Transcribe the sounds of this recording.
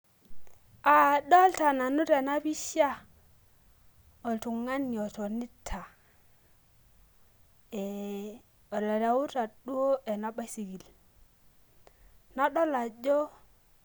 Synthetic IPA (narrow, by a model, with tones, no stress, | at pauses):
a˨do˦lta˨na˨nu˦te˨na˦bi˦ʃja˦ | o˨ltu˨ŋa˦ni˨o˨to˨ni˦tʰa˨ | e˨ | o˨la˨ɾa˨wu˦ta˨ɗu˦o˦e˨na˨˦ba˦jsi˨ɡi˨l | na˦ɗo˦la˨d͡ʒo˦